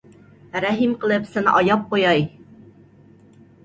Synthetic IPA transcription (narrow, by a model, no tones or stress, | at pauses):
ɾæɦimqɤ̆lˠɤpsɤnɑjɑp̚qujɑj